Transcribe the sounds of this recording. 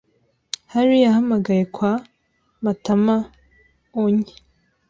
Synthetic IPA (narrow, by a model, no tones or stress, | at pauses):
haɾijahamaɡajekwa | matama | oɲi